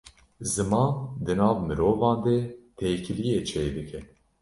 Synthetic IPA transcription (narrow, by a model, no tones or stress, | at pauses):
zɨmɑːnd̪ɨnɑːvmɨɾoːvɑːnd̪et̪ʰeːkʰɨlijeːt͡ʃʰeːd̪ɨkʰɛ